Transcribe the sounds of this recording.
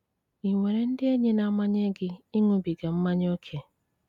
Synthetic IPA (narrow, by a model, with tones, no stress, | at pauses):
i˨ŋʷe˨ɾe˨n̩˦dɪ˦e˦ɲe˦na˦ma˦ɲ˦e˦ɡɪ˦i˦ŋʊ˦bi˨ɡa˨m̩˦ma˦ɲ˦o˦kʰe˦